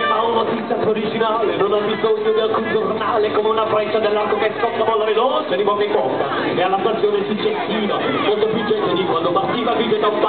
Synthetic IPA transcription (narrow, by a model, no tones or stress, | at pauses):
aunot̪it̪sap̪oɾid͡ʒinaːlenonabizoɲːod̪ialkund͡ʒornaːlekomeunapɾɛt͡ʃːad̪elːarkokeskɔt̪ːavɔlːaɾelosed̪ipɔkepɔt̪ːa | nealːapersjoːnesut͡ʃːesiːva | molt̪oefit͡ʃɛnt̪ed̪ikwand̪opart̪ːiːvaviːved̪aump